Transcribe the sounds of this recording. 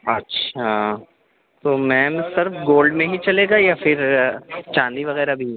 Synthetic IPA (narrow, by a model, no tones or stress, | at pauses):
ɐtːʃʰa | t̪oːmɛ̃ːmsɪɾfɡoːlɖmẽɦit͡ʃɐleːɡajafɪɾt͡ʃãːnd̪iʋɐɣɛːɾabʱi